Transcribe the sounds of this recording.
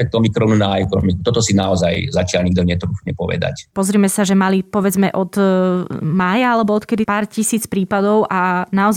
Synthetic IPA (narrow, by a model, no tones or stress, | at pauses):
ɛk̚t̪ɔmikɾɔnunaɛkɔnɔmikut̪ɔt̪ɔsinaɔzajzat͡ʃɪalɲiɡ̚d̪ɔɲɛt̪ɾuːfɲɛpɔʋɛ̰d̪a̰cpɔzɾiːmɛsaʒɛmalipɔʋɛd͡zmɛʔɔd̪ | maːjaalɛbɔɔt̪kɛd̪ipaːɾcisiːt͡spɾiːpad̪ɔʊʔanaɔz